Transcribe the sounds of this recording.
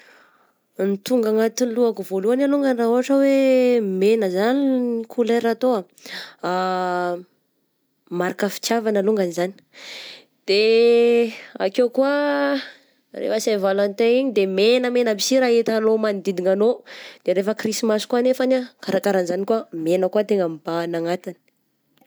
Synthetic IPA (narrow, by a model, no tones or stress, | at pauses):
nit̪uŋɡaŋat̪inluakuvoluanaluŋɡaniraɦuaʈ͡ʂəwemenəzaninikʰularat̪oa | a | maɾakəfi̥t͡sjavanaluŋɡanizani̥ | d̪̥e | a̰kekua | rḛfəsavalant̪eiɲid̪emenəmenəbisiɾaɦet̪alomand̪id̪iŋanod̪̥eɾefəkrisimaskuanefanakaɾakaɾanzanikuamenəkuat̪eŋəmibanaŋat̪ani̥